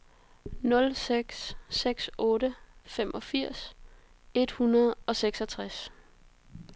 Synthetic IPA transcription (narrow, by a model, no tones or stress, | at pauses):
nɔ̽lseɡ̥sːeɡ̥sɔ̽ːɾəfemʔɒ̽fiɐ̰s | e̝d̥hunɐð̩ˠɒ̽seɡ̥sɒ̽t͡sʰʁas